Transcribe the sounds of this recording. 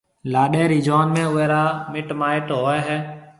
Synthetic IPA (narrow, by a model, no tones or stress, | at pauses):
laːɗeːɾiːd͡ʒoːnmẽːʊɛːɾaːmɪʈmaːɪʈɦoːɛːɦɛː